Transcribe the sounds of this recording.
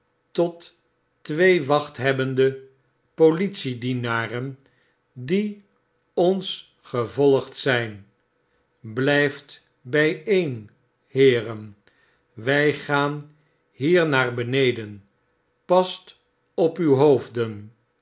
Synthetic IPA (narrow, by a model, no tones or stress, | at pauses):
tɔt | ʋejʋɑχtɦɛbəndə | politsidinaːrən | di | ɔns | χəvɔlˠəχtsɛjn | blɛjft | bɛjejn | hɪːrən | ʋɛjχaːn | ɦiːɹnaːɹbənejdən | pɑst | ɔpywɦowvdən